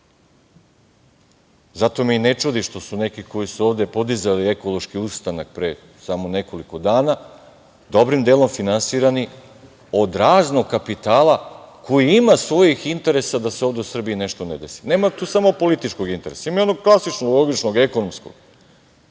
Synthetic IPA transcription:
zat̪o̞miine̞t͡ʃud̪iʃt̪o̞sune̞kiko̞jisuoʋd̪e̞po̞d̪izalie̞ko̞lˠo̞ʃkiust̪anak̚pɾe | samo̞ne̞ko̞liko̞d̪aːna | d̪o̞bɾimd̪e̞ːlo̞mfinansiːɾani | o̞d̪ɾaːzno̞ɡ̚kːapit̪aːlˠako̞jiimasʋo̞jixint̪e̞ɾe̞sad̪ase̞o̞ːʋd̪e̞usr̩biine̞ʃt̪o̞ne̞d̪e̞si̥ne̞ːmat̪uːsamo̞po̞lit̪it͡ʃko̞ɡint̪e̞ɾe̞̰saimajono̞ɡ̚klˠasit͡ʃnolˠo̞ɡit͡ʃnoɡe̞ko̞nomsko̞̰ɡ̥

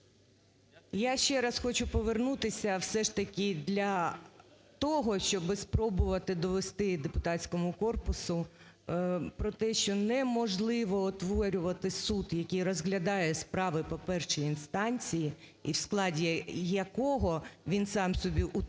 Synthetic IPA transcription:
jaʃt͡ʃɛɾɑsxɔt͡ʃʊpɔʋernut̪ɪsʲɐwsɛʂt̪ɐkʲɪd̪lʲɐ | t̪ɔɦɔʃt͡ʃɔbɪspɾɔbʊʋɐt̪ɪd̪ɔʋest̪ɪd̪epʊt̪ɑtʲt͡sʲkɔmʊkɔrpʊsʊ | pɾɔt̪ɛʃt͡ʃɔnɛmɔʒlˠɪʋɔːt̪ʋɔɾʲʊʋɐt̪ɪsut̪jɐkʲijrɔzɦlʲɐd̪ɑjɛspɾɑʋɪpɔpɛrʃɪjinst̪ɑnʲt͡sʲiji | iwsklˠɑdʲijɐkɔɦɔʋʲinsɑmsɔbʲiʔʊ

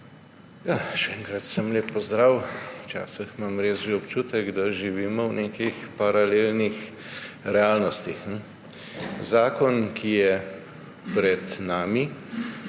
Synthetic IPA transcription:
jaʃɛɛŋkɾat̪səmleːpːɔzd̪ɾaːwwt͡ʃa̰ːsəxmamɾeːsʒeɔpt͡ʃuːt̪ɛɡd̪aʒiʋiːmɔwnekixpaɾaleːlnix | ɾɛaːlnɔst̪ixnɛ | zaːkɔnkʰijɛ | pɾɛd̪naːmi

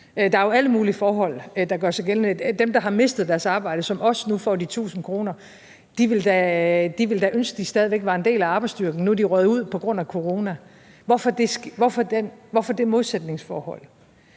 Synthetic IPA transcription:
d̥ɑ̈ɐjoæləmuːlifɒːɦɒ̽l̰d̥ɑ̈ɡ̥ɶɐsɑɡ̥eln̩ed̥emd̥ɑ̈ɦɑ̈me̝sd̥ð̞̩ˠd̥æɐsɑ̈ːb̥ɑ̈ɪ̰d̥əsɒ̽mɒ̽snufɒ̰ːd̥it͡sʰṵːsn̩kʰʁo̝ːnɐ | d̥iʋe̝ld̥æd̥iʋeld̥æʔønsɡ̥əd̥isd̥ɛðˠiʋeɡ̥ʋɑ̈ːe̝nde̝̰ːlæɑ̈ːb̥ɪsd̥yɐɡ̥n̩nuæd̥iʁœːð̩ˠuð̞̰ˠpʰɒ̽ɡ̥ʁɔ̽n̰ækʰo̝ʁo̝ːnæ | ʋɒfɒd̥esɡ̥ʋɒfɒd̥enʋɒfɒd̥e̝moðˠsed̥ne̝ŋsfɒ̰ːhɒ̽l̰

